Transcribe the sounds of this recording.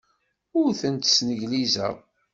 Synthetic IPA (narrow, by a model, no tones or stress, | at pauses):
ʊɾθənt̪snəʝlizæ̰